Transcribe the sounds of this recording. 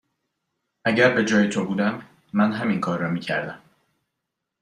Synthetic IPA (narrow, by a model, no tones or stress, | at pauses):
ʔæɟæɾbe̞d͡ʒɒːjet̪ʰo̞buːd̪æmː | ænɦæminkʰɒːɾːɒːmiːcʰæ̰ɾd̪æm